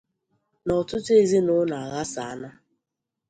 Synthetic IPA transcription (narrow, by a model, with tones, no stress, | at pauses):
nɔ˨tʊ˦te˦˨zi˦nʊ˦na˨a˨ɣa˦sa˨a˦na˦